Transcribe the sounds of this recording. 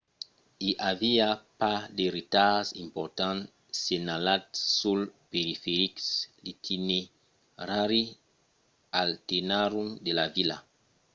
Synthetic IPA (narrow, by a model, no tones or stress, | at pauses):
iʔaviapadeɾit̪azḭ̃mpɔɾt̪ãn | senalatsulpeɾifeɾikslit̪ʰine | ɾaɾi | altenaɾumdelavila̰